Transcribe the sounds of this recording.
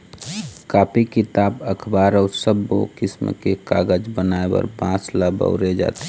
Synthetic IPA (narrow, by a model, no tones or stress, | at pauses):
kaːpʰikɪt̪aːbəkʰbaːɾɔːɾsəbːo̰kɪsmkekaɡəd͡ʒbənaebə̰ɾbãːsləbə̰ʊɾed͡ʒa̰ːt̪e̥